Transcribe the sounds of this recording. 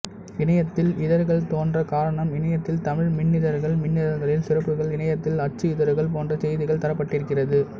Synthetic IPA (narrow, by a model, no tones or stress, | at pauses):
ɪɳɐjɐt̪ːɪlɪðɐɾɣɐɭt̪oːndrɐkaːɾɐɳɐmɪɳɐjɐt̪ːɪlt̪ɐmɪɻmɪɳːɪðɐɾɣɐɭmɪnːɪðɐɾɣɐɭɪlsɪrɐpːɯɣɐɭɪɳɐjɐt̪ːɪlɐʈ̚t͡ʃːɯɪðɐɾɣɐɭpoːndrɐsɛjðɪɣɐɭt̪ɐɾɐpːɐʈːɪɾɯkːɪrɐðɯ